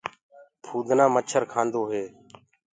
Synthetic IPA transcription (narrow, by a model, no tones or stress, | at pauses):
pʰuːd̪ʱnãːmət͡ʃʰəɾkʰãːnd̪oːɦeː